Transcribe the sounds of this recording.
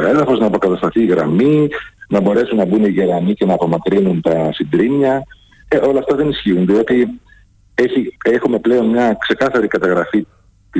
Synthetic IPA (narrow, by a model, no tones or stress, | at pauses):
e̞ðɐfo̞znɐːpo̞kɐt̪ɐst̪ɐθiːɣɾɐ̰minɐbo̞ɾe̞sunːɐbuniʝe̞ɾɐnice̞nɐːpo̞mɐkɾinunt̪ɐsind̪ɾimɲɐ | eʔo̞lɐːft̪ɐðe̞nisçiunðio̞t̪i | e̞çie̞xume̞ple̞o̞nmɲɐkse̞kɐθɐɾikɐt̪ɐɣɾɐfi | t̪i